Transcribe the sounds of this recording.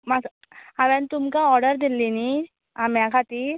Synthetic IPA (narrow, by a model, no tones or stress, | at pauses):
mak | aʋɛ̃nt̪umkaɔɾɖəɾd̪ilːini | ãmjãkʰat̪iɾ